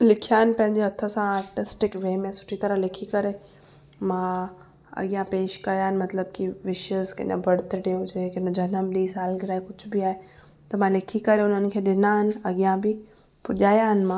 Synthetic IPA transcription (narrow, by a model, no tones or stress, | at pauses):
lɪkʰijaːnɪ̆pɐ̃ɦɪ̃ɲd͡ʑeɦɐt̪ʰːəsãaːɾʈɪsʈɪkʋeːmẽsʊ̥ʈʰit̪ɐɾəlɪkʰikɐɾe | mã | ɐ̰ɠijãpeːʃkɐjaːɦɪnɪ̆mɐt̪ləbkiʋɪʃəzkɐ̰ɲə̰̃bɐɽt̪eʈijõd͡ʑekɐnə̃d͡ʑɐnəmɗiːsaːlɡɪɾaːekʊd͡ʑʰʱbiaːɦe | t̪ɐmãlɪkʰikɐɾeʊnənɪ̆kʰeːɗɪnaːɦɪn̆ɐɠijãbi | pʊʄaːjãːɦɪnmãː